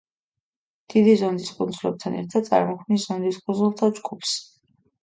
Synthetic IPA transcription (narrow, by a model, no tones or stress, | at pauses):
d̪̥id̪izɔnd̪iskʼund̪zlɛb̚t̪ʰanɛ̰ɾt̪ʰad̪̚sʼa̰ɾmɔχʰmniszɔnd̪iskʼunzulˠt̪ʰad͡ʒɡupʰs